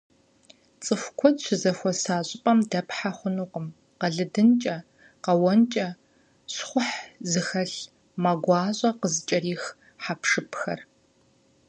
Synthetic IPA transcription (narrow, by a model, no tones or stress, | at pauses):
t͡sʼɨfʷkʷʰɔdʃʷɪzɐxʷɔsaːɕʼɪpʼɐmdɐpħaχʷʊnuːqʼəm | qɐɮɨdɨnt͡ʃʼɐ | qɐwɔnt͡ʃʼɐ | ɕχʷʊħzɨxɐɬ | maɡʷɑːɕʼɐqəzɨt͡ʃʼɐriːx | ħapʂɨpʰxɐ̰r